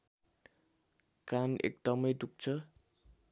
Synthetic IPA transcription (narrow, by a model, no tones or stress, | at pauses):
kanḛk̚d̪ʌmʌjd̪uk̚t͡sʰʌ